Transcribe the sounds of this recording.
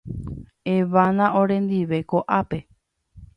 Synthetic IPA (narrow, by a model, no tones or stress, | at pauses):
eʋãnãõɾẽ̞nd̪iʋe̞koʔape̞